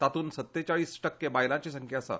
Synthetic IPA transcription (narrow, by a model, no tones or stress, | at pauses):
t̪at̪uːnsət̪ːet͡ɕaɭiːsʈəkːebajlãt͡ɕes̬əŋkʰjasa̰